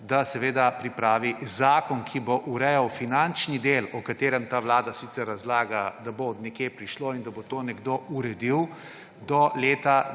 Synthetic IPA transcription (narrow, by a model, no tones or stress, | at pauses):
d̪asɛʋeːd̪apɾipɾaːʋizaːkɔnkʰiboʔuɾɛjɐwfinant͡ʃnid̪eːlɔkat̪eːɾɛmt̪aːʋlaːd̪asit̪sɛɾːɐzlaːɡad̪abod̪nɛkjepɾiʃloːind̪abot̪oːnɛɡd̪ouɾɛd̪iw | d̪ɔleːt̪a